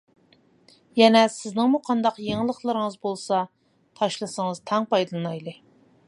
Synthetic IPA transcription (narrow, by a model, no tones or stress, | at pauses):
jɛnɛsɪznɪŋmuqʰɑnd̪ɑqjeŋɨlˠəχlˠɨɾɨŋəzbolˠsɑ | t̪ʰɑʃlˠɨsəŋəz̥t̪ʰɑŋpɑjd̪ɨlˠɨnɑjlˠɨ